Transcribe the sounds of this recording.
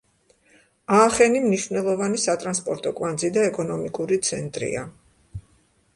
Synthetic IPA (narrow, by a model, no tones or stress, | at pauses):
aːχɛnimniʃvnɛlˠɔvanisat̪ʼɾanspʼɔɾt̪ʼɔkʼwand̪zid̪aɛkʼɔnɔmikʼuɾit̪sʰɛnt̪ʼɾḭa